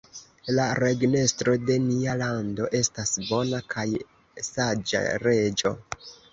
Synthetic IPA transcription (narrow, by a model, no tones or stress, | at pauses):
laɾe̞ɡne̞stɾo̞de̞nialando̞ʔe̞stasbo̞nakʰaj | sad͡ʒa̰ɾe̞d͡ʒo̞